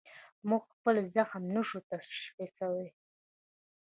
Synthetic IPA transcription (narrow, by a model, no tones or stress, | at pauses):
muɡxpəlzaxamnəʃut̪aʃxesawe